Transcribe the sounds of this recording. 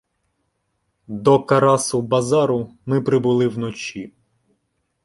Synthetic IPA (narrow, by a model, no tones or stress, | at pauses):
d̪ɔkɐɾɑsʊbɐzɑɾʊmɪpɾɪbʊlˠɪwnɔt͡ʃʲi